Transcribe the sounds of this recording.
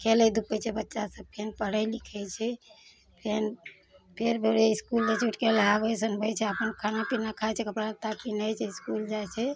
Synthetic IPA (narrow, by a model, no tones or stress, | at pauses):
kelɛjd̪upəjt͡ʃʰɛbətːʃasəb̚pʰenpəɽəjlikʰɛt͡ʃʰɛ | pʰen | pʰeɾbʱeɾeiskuld͡ʒet͡ʃuʈkeləjabəsənbʱɛt͡ʃʰɛəpənkʰanapinakʰaɛt͡ʃʰɛkəpɽat̪apinəjt͡ʃʰɛiskuld͡ʒajt͡ʃʰɛ